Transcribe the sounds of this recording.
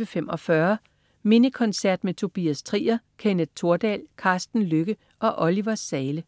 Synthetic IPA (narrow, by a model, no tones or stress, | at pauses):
əfem̰ɒ̽fɶɐ | me̝nəkʰɒ̽nsæɐ̰d̥met͡sʰo̝b̥iæst͡sʰʁḭːɐkʰenəð̥t͡sʰo̝ɐd̥ɛ̰ːlkʰɑ̈ːsd̥n̩løɡ̥ə | ʔɒ̽ʔɒliʋɐsːɛːlə